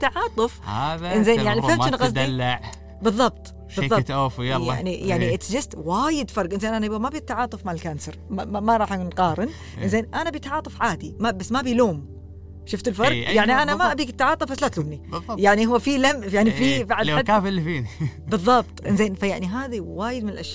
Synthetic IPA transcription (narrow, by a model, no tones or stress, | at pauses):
t̪ːaʕɑːt̪ˤɨfhaðʔɪnzeːnjaʕniɪhmʃɪnɣɑs̬ˤd̪lːaʕ | bɨðˤːɑb̚t̪ˤ | bɨˤːɑt̪ʔoːfj̰ʕnijaʕniʔɪt̪sd͡ʒast̪waːjɪd̪fɑɾˤɡʔɪnzeːnʔanamabit̪ːaʕɑːt̪ˤɨfmaʕɪlkaːnsɑɾmamaɾˤɑːħanqɑːɾˤɪn | ʔɪnzeːnʔanabit̪ʕɑːt̪ˤɨfʕaːd̪imabasːmabiloːm | ʃʊft̪ɪlfɑɾˤɡjaʕniʔanamaʔbiːkɪt̪ːaʕɑːt̪ˤɨfbasːlat̪luːmnijaʕnihʊwːfilamjaʕnififaʕaad̪aːflːifiːbɨðˤːɑb̚t̪ˤʔɪ̰nzeːnfajaʕniɦaːðiwaːjɪd̪mɪnɪlʔaʃjaː